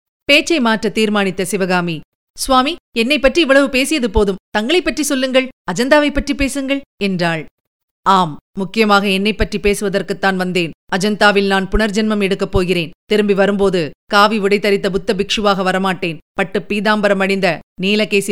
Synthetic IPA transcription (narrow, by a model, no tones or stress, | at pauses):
peːt͡ʃːɐɪmaːʈrɐt̪iːɾmaːnɪt̪ːɐsɪʋɐɣaːmi | sʋaːmiɛnːɐɪpːɐʈriɛʋɐɭɐʋɯpeːsɪjɐðɯpoːðɯmt̪ɐŋɡɐɭɐɪpːɐʈrisɔlːɯŋɡɐɭɐd͡ʒɐnd̪aːʋɐɪpːɐʈripeːsɯŋɡɐɭɛndraːɭ | aːmːʊkːɪjɐmaːɣɐɛnːɐɪpːɐʈripeːsɯʋɐðɐrkɯt̪ːaːnʋɐnd̪eːnɐd͡ʒɐnd̪aːʋɪlnaːnpʊɳɐɾd͡ʒɐnmɐmɛɽɯkːɐpːoːɣɪɾeːnt̪ɪɾɯmbiʋɐɾɯmpoːðɯkaːʋiʋɪɽɐɪt̪ːɐɾɪt̪̬ːɐbʊt̪ːɐbɪkʂɯʋaːɣɐʋɐɾɐmaːʈːeːnpɐʈːɯpːiːðaːmbɐɾɐmɐɽɪnd̪ɐniːlɐkːeːsi